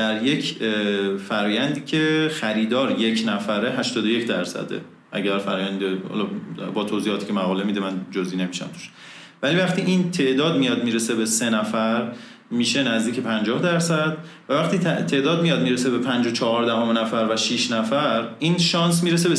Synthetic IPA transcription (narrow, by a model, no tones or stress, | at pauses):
d̪̥æɾje̞cʰ | fæɾɒːjænd̪iːcʰe̞xæɾiːd̪ɒːɾje̞cʰnæfæɾeɦæʃt̪ɒːd̪oje̞cʰd̪æɾsæ̰d̪ḛ | ʔæɟæɾfæɾɒːjænd̪ehɒ̰lɒbɒːt̪ʰoːzihɒːt̪ʰi̥ːcʰemæɣɒːle̞mid̪emænd͡ʒoziːne̞miʃæ̰mt̪ʰu̥ʃ | vælivæχt̪ʰiːʔint̪ʰe̞ʔd̪ɒːd̪mijɒd̪miːɾesebese̞næfæɾ | miːʃe̞næzd̪iːcʰepʰænd͡ʒɒːhd̪æɾsæd̪ | vævæχt̪iːt̪t̪ʰe̞ʔd̪ɒːd̪̚mijɒd̪miːɾese̞be̞pʰænd͡ʒot͡ʃʰɒɦɒɾd̪æɦomenæfæɾvæʃiʃnæfæɾiːnʃɒːnsmiːɾes̬ebe